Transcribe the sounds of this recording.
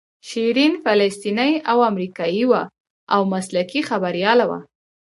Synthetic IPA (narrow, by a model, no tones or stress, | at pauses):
ʃiɾinfalast̪inəjawamɾikɑjiwa | awmaslakixabaɾjɑlawa̰